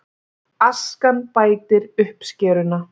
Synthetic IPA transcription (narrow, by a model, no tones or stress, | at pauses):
askanpaːjt̪ɪɾʏhpscɛːɾʏna